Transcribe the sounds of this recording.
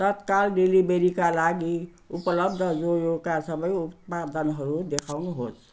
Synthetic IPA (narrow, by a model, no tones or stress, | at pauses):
t̪ʌt̪kalɖelibeɾikalaɡi | upəlʌb̚d̪ʱəd͡zojoɡkasʌbʌjup̚pad̪ənɦʌɾud̪ekʰawnuɦot͡sʰ